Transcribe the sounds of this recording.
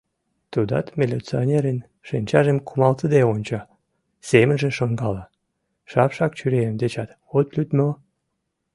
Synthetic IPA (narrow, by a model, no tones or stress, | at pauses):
t̪ud̪ɑ̰t̪mʲelʲet͡sionʲeɾen | ʃenʲt͡ɕɑʒemkʰumɑlt̪əd̪eonʲt͡ɕɑ | semə̆nʒənʃoŋɡɑlɑ | ʃɑpʃɑkt͡ɕyɾeemd̪et͡ɕɑt̪ | ot̪lʲyt̪mə